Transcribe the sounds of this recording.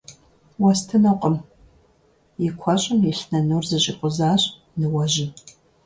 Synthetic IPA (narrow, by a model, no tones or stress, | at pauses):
wɐstʰɨnɐqʼəm | jɪkʷʰɐɕʼɪmjɪɬnɐnuːrzɨɕʼɪqʷʼʊzaːɕʼ | nɨwɐʑɪn